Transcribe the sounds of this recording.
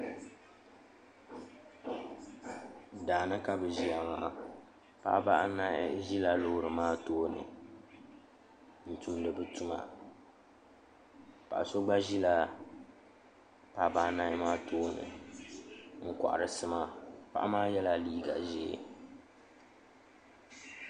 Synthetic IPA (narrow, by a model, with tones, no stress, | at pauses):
daː˨nɨ˦ka˦bɨ˨ʒi˨a˨ŋa̰˨ʔa˨ | pa̰˦ba˦ʔna˦ʒi˦la˦lo˦hɾɨ˨maː˦toː˦nɨ̰˨ | n̩˨tu˨mdɨ˨bɨ˦tu˦ma̰˨ | pa˨ʔa˨so˦ɡ͡ba˦ʒi˦la˦ | pa˦ba˦ʔna˦ɪ˦maː˦tʰoː˦nɨ̰˨ | ŋ̩˦ka̰˨ʔa̰˨ɾɨ˨sɨ˦ma˦pa˦ʔa˦maː˦jɛ˦la˨liː˦ɡa̰˨ʒḭ˨